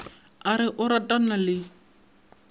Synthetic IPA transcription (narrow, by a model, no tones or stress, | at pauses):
aɾɪʔʊɾatʼanalɪ